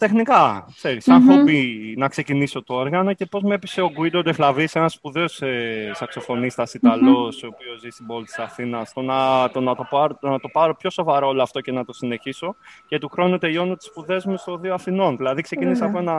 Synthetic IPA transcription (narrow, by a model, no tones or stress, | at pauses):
t̪e̞xnikɐkse̞ɾisɐnfobinɐkse̞ciniso̞t̪oo̞ɾɣɐno̞ce̞po̞zmepiseoɡuid̪od̪eflɐvisenɐspuðeosesɐkso̞fo̞nist̪ɐsit̪ɐlo̞sopio̞zist̪ibo̞lit̪i̥sɐθinɐst̪o̞nɐt̪onɐt̪o̞pɐɾot̪onɐt̪o̞pɐɾo̞pço̞so̞vɐɾooloɐft̪o̞ce̞nɐt̪o̞sine̞çiso̞ce̞t̪uxɾo̞nut̪e̞ʎo̞nut̪i̥spuðe̞zmust̪o̞ðioɐθino̞nðilɐðikse̞ciniseɐpoenɐ